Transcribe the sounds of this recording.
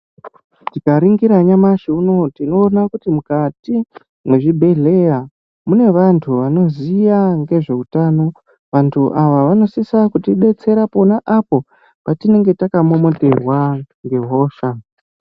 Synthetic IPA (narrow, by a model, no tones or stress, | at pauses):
tikaɾiŋɡiɾaɲamaʃiuno̞tino̞ːnakutimukati | mwe̞ʐibʱe̞ɮe̞ja | mune̞ʋantʰuʋano̞zijaŋɡe̞ʐe̞utaːno̞ | ʋantʰuʔaʋaʋano̞sisakutiɗe̞t͡se̞ɾapo̞naʔapo̞ | patine̞ŋɡe̞takamo̞mo̞te̞rwa | ŋɡe̞ɦo̞ːʃa